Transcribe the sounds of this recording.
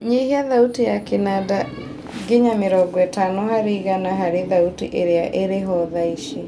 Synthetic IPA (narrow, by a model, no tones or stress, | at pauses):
ɲihiaðautijakenada | ɡeɲameɾɔɡwɛtanɔhaɾeiɣanaɦaɾeðautiʔeɾeaʔeɾeɦɔðaiʃi